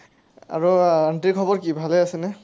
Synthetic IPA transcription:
a̰ɹuantikʰɔbɔɹkibʱalɛasɛnɛ

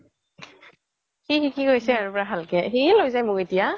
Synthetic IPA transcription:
xixikiɡojsɛaɹupɔɹapalkɛxilojzajmʊketija

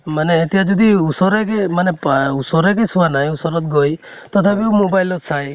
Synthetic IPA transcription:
maneːt̪ijad͡ʒɔd̪iusɔɾekemanepusɔɾekesuanaj̃usɔɾɔt̪ɡɔj | t̪ɔt̪ʰapiumobajlɔt̪sʰaj

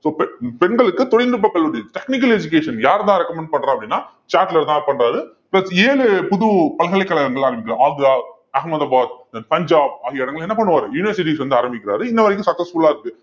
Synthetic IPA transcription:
soːpɛpɛnɡɐɭɯkːɯt̪ɔɽɪnd̪ɯp̬ːɐkːɐɭʊɽɐʈɛknɪk̬ːɐlɛd͡ʒʊk̬eːʂɐnjaːɾt̪ãːɾɛkːɐmɛɳɖ̚pɐɳːɾãɐpːɽinːaː | t͡ʃaːʈlɐɾt̪ãːpɐɳɾaːɾɯ | plɐseːlɯpʊðupɐlɣɐɭɐɪkːɐɭɐɣɐŋɡɐɭaːɾɐmbɪkːɪɾaaːɡaː | ɐɦɐmɐðaːbaːd̪ɐnpɐɲd͡ʒaːb̚ɐðɪɛɽɐŋɡɐɭɛnːɐpɐɳːɯʋaːɾɯjuːnɪʋɐɾsɪʈ̬isʋɐnd̪ɯaːɾɐmbɪkʲːɪɾa̰ːɾɯɪnːɐʋɐɾɐɪk̬ːʊ̃sɐksɐsfʊɭaːɪɾɯkːɯ

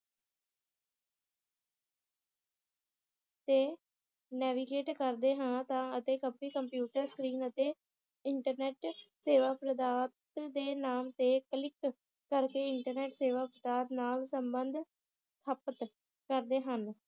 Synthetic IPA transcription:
t̪eː | nɛːʋiɡeːʈkəɾd̪eːɦãːt̪ãːət̪eːkəpiːkəmpjuːʈəɾskɾiːnət̪eː | ɪɳʈəɾnɛːʈseːʋaːpɾəd̪aːt̪d̪eːnaːmt̪eːkəlɪkː | əɾkeːɪɳʈəɾnɛːʈseːʋaːpɾəd̪aːt̪naːlsəmbənd̪ʱ | t̪ʰəpət̪ | kəɾd̪eːɦən

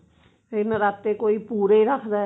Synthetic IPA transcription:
enəɾat̪ːekoipuːɾeɾakʰd̪a

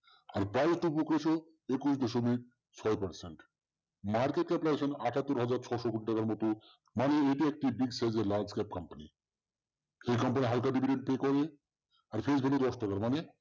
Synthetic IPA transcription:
aɾpɾajzʈupukeʃo | ekuʃ̬dɔʃomik̚ | t͡ɕʰɔjpaɾseɳʈ | maɾkeʈ̚kɛplaeʃonaʈʰat̪ːoɾɦad͡ʑaɾt͡ɕʰɔʃokoʈiʈakaɾmɔt̪o | maneeʈiek̚ʈibiɡsajd͡ʑeɾlaɾd͡ʑkɛp̚kɔmpanḭ | ejkɔmpaniɦalkaɖibʱiɖeɳʈ̚pekɔɾe | aɾfʰed͡ʑbʱebed̪ɔsʈakaɾmane

